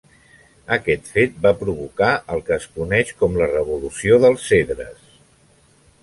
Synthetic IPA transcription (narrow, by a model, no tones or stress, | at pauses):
əkɛt̪fet̪̚bapɾuβukaʔəlˠkəːskunɛʃkɔmlərəβulusioðəlˠseðɾə̰s